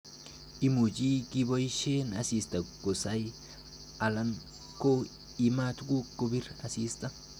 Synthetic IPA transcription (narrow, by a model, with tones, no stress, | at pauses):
i˦mu˨d͡ʒi˦ɡi˦bo˦jʃe˦nasi˨st̪a˨ɡo˨sa˦j | a˨la˦n | ko˦ | ima˦t̪ɡu˦kːo˦bi˦ɾasi˦st̪a˦